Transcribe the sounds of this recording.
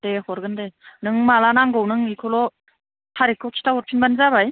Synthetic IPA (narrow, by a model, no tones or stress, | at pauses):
d̥ehɔɾɡɯndenɯŋmalanaŋɡownɯŋikʰɔlɔ | tʰaɾikʰːɔkʰi̥tʰaɦɔɾ̚pʰinbanzabaj